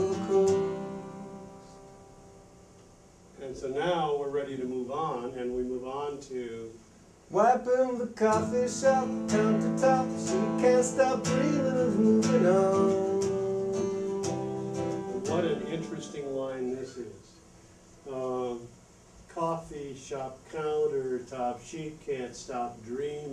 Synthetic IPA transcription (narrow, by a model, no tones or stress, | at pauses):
kʰo | ɨ̃nsoʊnaʊwɪɹɹɛɾiɾɨmuvn̩ɨ̃nwimuvn̩tʰʉ | waɪpɪ̃ŋðəkʰɑfiʃʌp̚kʰãʊ̃ntətʰɑpsoʊjɨkʰæ̃nstɑpɹilɪɾəvmuvɪ̃ŋən | wʌɾɨ̃nɪ̃nt͡ʃɹ̥ɨstɪ̃ŋlãɪ̃nðɪsɪz̥ | ʌ | kʰɔfiʃɑp̚kʰãʊ̃ntə˞tʰɑpʃikʰæ̃ntstɑp̚dɹĩm